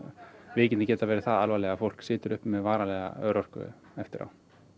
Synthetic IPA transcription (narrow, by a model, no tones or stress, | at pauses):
vɪːcɪnɪcɛːt̪avɛːɾɪθaðalvalɛɣafowl̥ksɪːt̪ʏɾʏhpmɛðvaːɾalɛɣa̰œ̰ːɾɔr̥kʏ̰ | ɛft̪ɪɾa̰w